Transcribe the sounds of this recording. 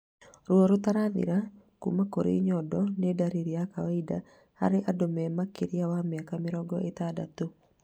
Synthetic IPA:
ɾwɔɾot̪aɾaðɪ̰ɾa | kṵmakoɾḛɲɔdɔnedaɾiɾijakawaida | ha̰ɾeʔadomɛmakeɾiawameakamɪɾɔɡɔʔet̪ada̰t̪o

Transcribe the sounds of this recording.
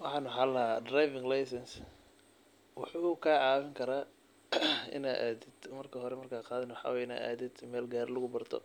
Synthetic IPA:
wɑħɑːnʊɦalɐɦadrajvɪŋlajsɛns | wʊħuːkʰaːʕɑːβɪŋkʰɐɾaː | ɪ̰naːd̪ʔa̰ːðɪd̪̥mɐrkʰɐɦɔɾɛmɐrkʰaːqɑːðɪnwħɑ̰ːwːɪna̰ːa̰ːðɪd̪mɛːlɡaːɾlʊɣʊbɐrt̪ʰɔ̰

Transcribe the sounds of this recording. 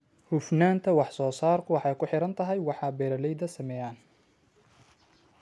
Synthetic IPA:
hʊfnaːnt̪ʰɐwɑħsɔːsaːrkʰʊwɑħɑjkʰʊħɪɾɐnt̪ʰɐɦɛjwɑħɑːbɛːɾɐlɛjd̪ɐsɐmɛjaːn

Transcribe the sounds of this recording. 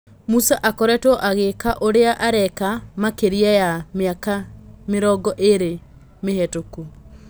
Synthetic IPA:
musaʔakɔɾɛtɔʔaɣekaʔoɾeaʔaɾɛkamakeɾiajamakameɾɔɡɔʔeɾe | mehɛtoku

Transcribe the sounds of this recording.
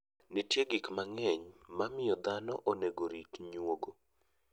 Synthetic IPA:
nitjeɡikmaŋɛɲmamɪjɔd̪anɔʔoneɡoɾikɲwoɡo

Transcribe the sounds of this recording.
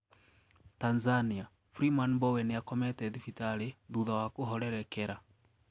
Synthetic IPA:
tanzania | fɾimanbɔwɛneakɔmɛtɛðifitaɾeðuðawakoɦɔɾɛɾɛkɛɾa

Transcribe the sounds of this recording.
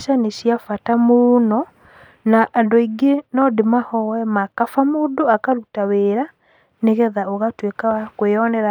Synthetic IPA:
ʃanesjafatamoonɔ | naʔːndoiɡenɔdemahɔwɛmakafamoːdoakaɾutaweːɾa | neɣɛðaoɣatwekakweɔnɛɾa

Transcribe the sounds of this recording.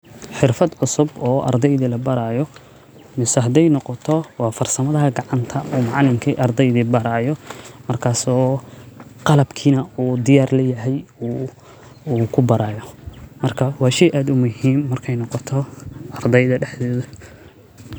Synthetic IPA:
ħɪrfɐd̪ʕʊsʊbɔːʔɐ̰rd̪ɛjðiːlɐbɐɾaːjɔ | mɪsɐɦɐd̪ɛjnɔqɔt̪ʰɔwɑːfɐrsɐmɐðɐɦɐɡɑʕɑnt̪ʰɐuːmɑʕlɪmkʰiʔɐrd̪ɛjðiːbɐɾaːjɔmɐrkʰaːsɔː | qɑlɐbkʰiːnɐuːd̪ɪjaːrlɛjɐɦɛju | uːkʰʊbɐɾaːjɔmɐrkʰɐwɑːʃɛjʔaːd̪ʊmʊhiːmːɐrkʰɛjnɔqɔt̪ʰɔʔɐrd̪ɛjðɐɖɛħd̪ɔːðɐ

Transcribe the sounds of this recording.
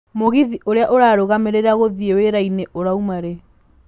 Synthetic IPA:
moɣiðiʔoɾeaʔoɾaːɾoɣameɾeɾaɣoðieweɾaineʔoɾaumaɾe

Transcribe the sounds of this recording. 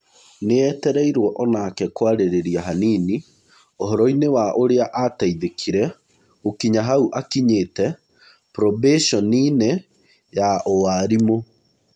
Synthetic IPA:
neɛtɛɾɛiɾwɔʔɔnakɛkwaɾeɾeɾiaɦaniːni | oɦɔɾɔinewaʔoɾeaʔataiðekʰiɾɛ | okiɲaɦauʔakiɲeːtɛ | pɾɔbeʃɔnine | jaʔowaɾimo

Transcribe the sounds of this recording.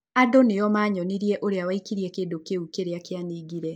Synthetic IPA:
adonejɔmaːɲɔniɾiɛʔoɾeawaikiɾiekeːdokeukeɾeakjaniːɡiɾɛ

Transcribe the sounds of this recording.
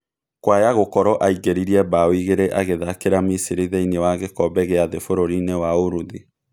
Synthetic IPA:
kwajaɣokɔɾɔʔaiɣeɾiɾiɛbawiɣeɾɛʔaɣeðakeɾamisiɾiðɛinewaɣekɔbɛɣeaðefoɾoɾinewaoɾuði

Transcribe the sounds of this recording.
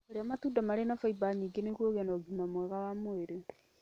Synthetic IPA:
oɾeamatuːdamaɾenafaibaɲiːɡenekwoɣenɔɡimamwɛɣawamoeɾe

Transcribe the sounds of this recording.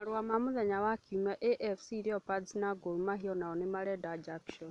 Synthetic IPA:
ɾwamamuðɛɲawakʰumaʔɛʔɛfsiɾiɔpad͡zinaɡolumaɦiɔnaɔnɪmaɾɛdad͡ʒakʃɔn

